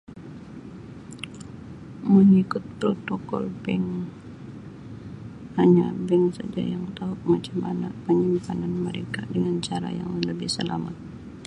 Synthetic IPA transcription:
məŋikʊt̪̚pɾot̪okɔ̰lbɛŋ | haɲabɛŋsad͡ʒa̰jaŋt̪aʊk̚mat͡ʃamʔanapəɲimpananməɾekadəŋant͡ʃaɾa̰ja̰ŋləbɪhsəla̰mat̪̚

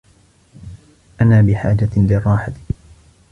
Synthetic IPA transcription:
ʔanaːbɪħaːd͡ʒalɪrˤːɑːħat̪ɪ̥

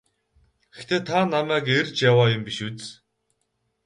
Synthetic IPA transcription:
ɡext̪ʰeːt̪ʰanamæːkert͡ɕjawaːjʊmpiʃut͡s

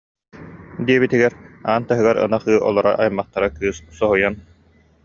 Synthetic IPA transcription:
d̪iɛbit̪iɡɛɾaːnt̪aɦɯɡaɾɯ̰naχɯːʔɔ̰lˠɔɾa̰ʔajmaχt̪aɾakɯːssɔɦujan

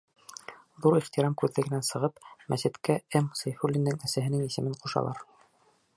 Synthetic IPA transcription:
ðuɾiχt̪iɾɑmkʉðːɘ̆ɡɘ̆nænsɤ̆ʁɤpmæsɘ̆t̪kæemsɤjfulʲːinːɘŋæsæɦɘ̆nɘŋisɘ̆mɘɴquʃɑ̰lˠɑ̰ɾ

